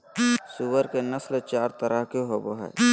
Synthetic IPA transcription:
suːʋəɾkenəslt͡ʃaːɾt̪əɾʔəɦkeɦoːboɦɛ̰ː

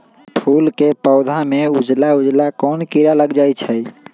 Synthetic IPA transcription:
pʰulkepəʊd̪ʱameud͡ʒlaud͡ʒlakɔnkiɾaləɡd͡ʒajt͡ʃʰəj

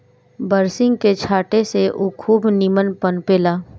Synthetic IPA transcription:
bəɾsɪ̃ŋɡket͡ʃʰaːʈeseʔukʰuːbnimənpənpeːlaː

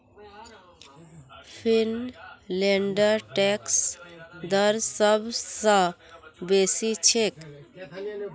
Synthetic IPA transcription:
pʰinleɳɖəɾʈɛksd̪əɾsəbʱsə̃besit͡ʃʰek

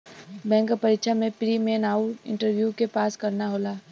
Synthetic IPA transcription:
bɛ̃ːŋkpɐɾikʃʰamẽpɾimeːnaːʊɪ̰̃ɳʈəɾʋjukepaːskɐɾnaɦoːlaː

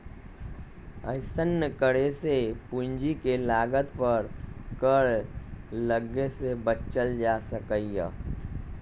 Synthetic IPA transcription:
ə̰ɪsənːəkəɽesepuɲd͡ʒikelaːɡət̪pəɾkəɽ | ləɡesebətt͡ʃəld͡ʒasəkəijə̰

